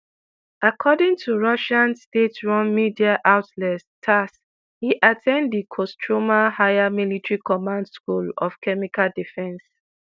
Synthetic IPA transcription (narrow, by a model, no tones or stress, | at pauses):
ʔakʰɔdɪ̃ŋtʰuɹɔʃãnstetɹɔ̃nmidiaʔaʊtlɛttʰas | hiʔatʰɛ̃ndðikʰɔstʰɹomahaɪjamilitɹikɔmãndskulɔfkʰɛmikaldifɛ̃ns